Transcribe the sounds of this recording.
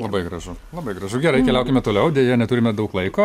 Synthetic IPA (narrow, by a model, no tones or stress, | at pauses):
lˠɐbɐɪɡɾɐʒʊlˠɐbɐɪɡɾɐʒʊɡʲɛɾɐɪkʲɛlʲɛʊkʲɪmʲɛt̪oːlʲɛʊdʲeːjɛnʲɛt̪ʊɾʲɪmʲɛd̪ɐʊklˠɐɪkoː